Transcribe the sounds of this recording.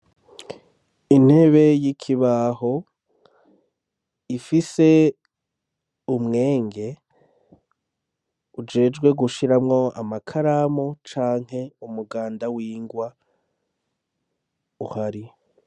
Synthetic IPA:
in̥he̞βe̞jikʰiβaho | ifise̞ | umŋe̞ːŋɡe̞ | ud͡ʒe̞ːd͡ʒɡwe̞ɡuʃiɾamŋo̞a̰makʰaɾamot͡ʃaːŋ̥he̞umuɡaːndawiːŋɡwa | uhaɾi

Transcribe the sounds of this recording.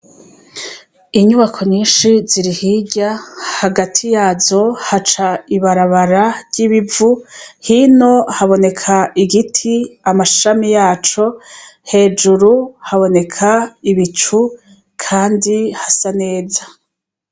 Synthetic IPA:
iɲuβakʰo̞ɲiːnʃiziɾihiɟahaɡatʰijaːzo̞hat͡ʃaiβaɾaβaɾaɾɟiβivuhino̞haβo̞ne̞kʰaʔiɡitʰiamaʃamijaːt͡ʃo̞he̞ːd͡ʒuɾuhaβo̞ne̞kʰaiβit͡ʃu | kʰaːndihasane̞ːza

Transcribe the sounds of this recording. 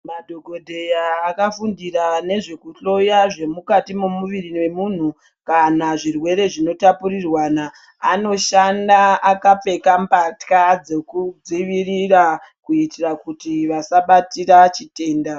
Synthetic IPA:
madʱo̞ɡʱo̞dʱe̞jaːkafundirane̞ʐe̞kuɬo̞jaʐe̞mukatimumuʋiriwe̞mun̤u | kanaʐirwe̞ɾe̞ʐino̞tapurirwanaː | no̞ʃandaakap͡fe̞kampatkad͡ze̞kud͡ziʋirirakuitirakutiʋasaɓatirat͡ʃite̞ːnda

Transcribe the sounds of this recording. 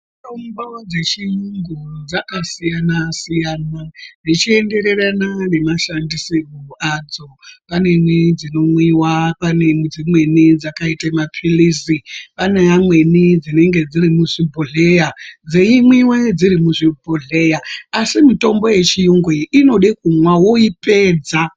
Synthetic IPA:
itombod͡ze̞t͡ʃijuŋɡud͡zakasijanasijanad͡zit͡ʃie̞nde̞ɾe̞ɾanane̞maʃandiseɡʱuad͡zo̞pane̞mwid͡zino̞mwiwapanemud͡zimwe̞nid͡zakaitamapʰilisipaneamwe̞nid͡zine̞ŋɡe̞d͡ziɾimuʐibʱoɮe̞jad͡zeimwiwed͡ziɾimuʐibʱoɮe̞jaasimito̞mbo̞je̞t͡ʃijuŋɡweino̞ɗikumwawoipe̞ːd͡za

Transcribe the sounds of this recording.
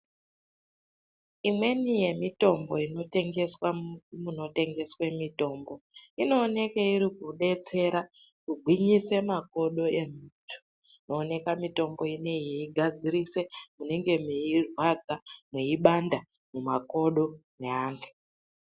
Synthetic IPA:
imwe̞nije̞mito̞mbo̞ino̞teŋɡeswamuno̞te̞ŋɡe̞swe̞mito̞ːmbo̞ino̞ːne̞keiɾikuɗe̞t͡se̞ɾa | kuɡʱwiɲise̞mako̞ɗo̞e̞mitʰu̥ | no̞ːne̞kamito̞mbo̞ine̞jeiɡʱad͡ziɾise̞mune̞ŋɡe̞muirwad͡zamweiɓanda | mumako̞ɗo̞neaːnɡu̥

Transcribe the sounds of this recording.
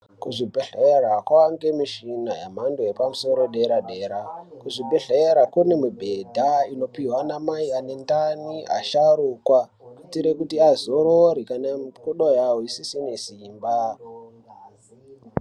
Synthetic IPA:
kuʐibʱeɮerakwaŋɡe̞miʃinaja̰mandojepamuso̞ɾo̞ɗeɾaɗe̞ːɾakuʐibʱeɮeɾakune̞mibʱedʱaino̞piwanamaiane̞ndaniʔa̰ʃaɾukwa | kutiɾekutiazoɾoɾikanamkuɗojawoisisinesiːmba

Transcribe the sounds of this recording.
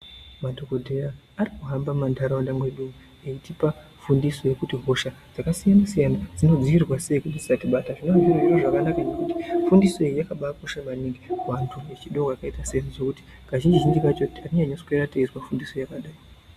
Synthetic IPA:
madʱokodʱe̞raː | rikuɦambamandʱaɾandamwe̞ɗumu | eitipa | fundiso̞je̞kutiɦo̞ʃad͡z̥akasijanasijanad͡zino̞d͡ziirwase̞ikunisatiɓataʐinonviriroʐakanakanekuti̥fundiso̞ijakaɓakoʃamaniŋɡiwantʰuet͡ʃiɗokakaitaseiʐʐokuti̥ | kaʒind͡ʒiʒind͡ʒikat͡ʃotariɲaɲoskeɾateizwafundiso̞jakaɗaːji

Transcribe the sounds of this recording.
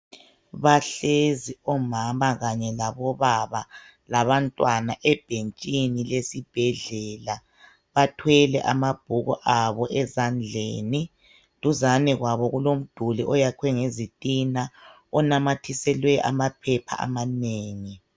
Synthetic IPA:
βaɬeziɔmamaɣaɲɛlaβɔβaβa | laβantʼwanaʔɛb̥ʱent͡ʃʼinilesib̥ʱɛɮɛːla | βatʰwɛlɛ̰ʔamab̥ʱuɣɔ̰ʔaβɔʔɛzand͡ɮʱeni | tʼuzanɛɣwaβɔɣulom̩d̥ʱuliʔɔjakʰwɛŋezitʼina | ɔnamatʰisɛlwɛʔa̰mapʰɛpʰa̰a̰maneːŋi

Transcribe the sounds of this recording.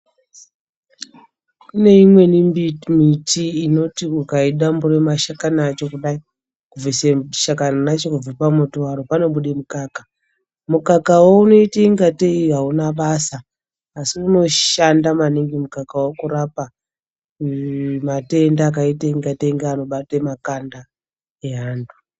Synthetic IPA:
kune̞imwe̞nimbimitiːno̞tiukaiɗamburemaʃakanaaːt͡ʃo̞kuɗai | kuviseʃakananat͡ʃokub͡vipamotowaɾopano̞ɓuɗemukaːka | mukakawouno̞iteiŋɡateiɦaunaɓasaː | siuno̞ʃandamaniŋɡimukakawokuɾapa | mate̞ndaːk̬aitaiŋɡateiŋɡeano̞ɓatemakanda | eɦaːndu̥

